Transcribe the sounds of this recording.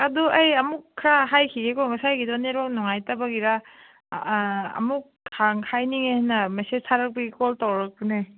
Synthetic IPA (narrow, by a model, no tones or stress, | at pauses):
aduʔajɐmukʰːɾaɦajkʰiɡekomasajkidɔneɾɔŋnuŋajtabaɡiɾa | ɐ̰mukʰ | haŋhʰajniŋehnːɐmasesʰaɾɐk̚pɐɡikoltawɾɐk̚punej